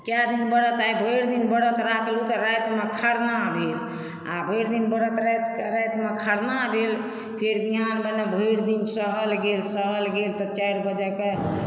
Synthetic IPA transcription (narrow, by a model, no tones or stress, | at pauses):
kjad̪inbəɽət̪ajbʱəjɽd̪inbəɽət̪ɾakʰlut̪ɔɾajt̪mekʰaɽnabʱel | a̰bʱəjɾd̪inbəɽət̪ɾat̪ɾajt̪mekʰaɽnabʱel | pʰeɾbiɦanbənɛbʱəjɽd̪insəɦəlɡelsəɦəlɡelt̪ɔt͡ʃajɾbəd͡ʒəke